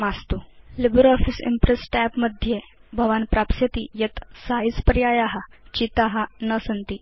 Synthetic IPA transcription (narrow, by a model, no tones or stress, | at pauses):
mast̪ulibəɾɔfisḭmpɾesʈɛpməd̪ʱjebʱəʋanpɾapsət̪ijət̪saispəɾjajaɦat͡ɕit̪aɦanəsənt̪iː